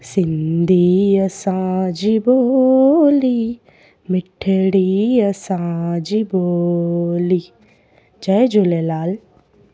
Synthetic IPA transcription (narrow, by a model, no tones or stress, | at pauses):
sɪnd̪iɐsãd͡ʒibo | li | mɪʈʰːəɽiɐsãːd͡ʒibo | li | d͡ʒaed͡ʒolelaːl